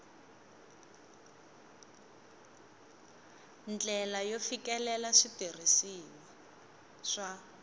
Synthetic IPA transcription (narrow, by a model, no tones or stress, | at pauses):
nd͡ɮɛlajofikɛlɛlaʂitir̤isini | ʂa